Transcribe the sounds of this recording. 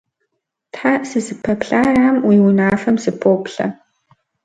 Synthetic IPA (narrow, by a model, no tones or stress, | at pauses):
tħasɨzɨpʰɐpɬaːraːmwiːwinaːfɐmzɨpʰoːpɬɐ̰